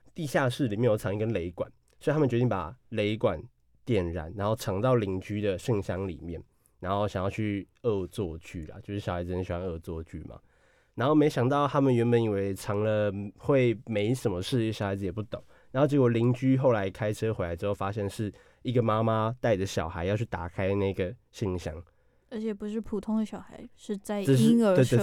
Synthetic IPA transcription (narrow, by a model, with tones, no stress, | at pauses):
t̪i˥˧ɕja˥˧ʂɻ̩˥˩˨li˨mjɛ˥˧jo˨˩ʊʈ͡ʂʰɑ˧˥ŋi˧˩kə˦nle˧˥ɪkwa̰˨˩˦n | swɔ˧i˨t̪ʰa˥mə˨t͡ɕɥt̪i˥˩˨pa̰˨˩le˧˥ɪkwa˨˩n | t̪jɛ˥˩nɻa̰˨˦nɻa˧˥nxo˥˩ʊʈ͡ʂʰɑ˧˥ŋt̪ɑ˥˩ʊli˧˥ŋt͡ɕy˥d̪ə˨ʂɤ˥˧ŋɕjɑ˥ŋlḭ˨˩mjɛ˥˩n | na˧˥nxo˥˩ʊɕɑ˨˩ŋjɑ˥˧ʊt͡ɕʰy˥˧ɤ˥˧t͡swɔ˥˧t͡ɕy˥˩lɐ̰˨t͡ɕjo˥˧ʊʂɻ̩˥˩jɑ˨˩a˧ɪt͡s̩˧˩ə˧˥˩ɕi˨˩wa˥nɤ˥˧t͡swɔ˥˧t͡ɕy̰˥˩mʔ | na˧˥nxo˥˩me˧˥ɪɕjɑ˨˩ŋt̪ɑ˥˩ʊt̪ʰa˥mə˨nɥɛ˧˥npə˨˦ni˨˩we˧˩ɪʈ͡ʂʰɑ˧˥ŋlə˧xwe˥˩ɪme˧˥ɪʂə˨˩nmə˦ʂɻ̩˥˩˥ɕjxa˧ɪd͡zɹ̩˧˨jɛ˨˩pu˥˩t̪o˨˩˦ŋ | na˧˥xo˥˧ʈ͡ʂə˥˩ɡə˧˩li˧˥ŋt͡ɕy˥xo˥˩ʊla˧˥ɪkʰa˥ɪʈ͡ʂʰɤ˥xwe˧˥la˧˥ɻ̩˧xo˥˧˩fa˥ɕjɛ˥˧nʂɻ̩˥˩ | i˥ɡə˩ma˦˥ma˦t̪a˥˩ɪʈ͡ʂə˩ɕjɑ˨˩ʊxa˧˥ɪjɑ˥˧ʊt͡ɕʰy˥˩t̪a˨˩kʰa˥ɪna˥˩i˥ɡə˩ | ɕi˥˩ŋɕjɑ̰˥ŋ | ə˧˥t͡ɕʰɛ˨˩pu˧˥ʂɻ̩˥˩pʰu˨˩t̪ʰʊ˥ŋd̪ə˩ɕjɑ˨˩ʊxa˧˥ɪʂɻ̩˥˧t͡sa˥˩ɪʈ͡ʂə˥˧ʂ̬̩˥˧we˥˧t̪w